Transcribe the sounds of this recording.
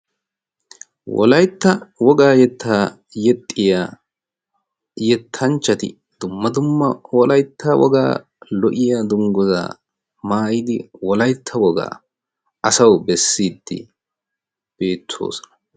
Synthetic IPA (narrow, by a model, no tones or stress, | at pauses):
wɔ̰lɐjt̪ːɐwɔɡaːjɛt̪ʰːaː | jɛt̪ʼːɪjaː | jɛt̪ʰːɐnt͡ʃːɐt̪ɪ̰ | d̪̥ʊmːɐd̪ʊmːɐwɔlɐjt̪ʰːɐwʔɔ̰ɡa̰ː | lɔʔɪjaːd̪ʊŋɡɔza̰ː | maːjɪd̪ɪwɔlɐjt̪ʰːɐwɔɡa̰ː | ɐsɐwbɛsːiːd̪ːɪ̰ | b̥e̞ːt̪ʰːo̞̰ːsɔ̥nɐ